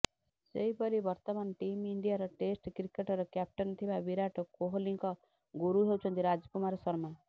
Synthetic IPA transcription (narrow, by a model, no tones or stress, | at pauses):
seipɔɾibɔɾt̪ɔmanʈimiɳɖijaɾɔʈesʈkɾikeʈɔɾɔkjap̚ʈɔnt̪ʰibabiɾaʈɔkoɦliŋkɔ | ɡuɾuɦewt͡ʃʰɔnt̪iɾad͡ʒkumaɾɔsɔɾma